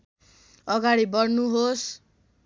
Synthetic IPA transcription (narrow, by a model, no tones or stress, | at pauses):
ʌɡaɽibʌɽnuɦos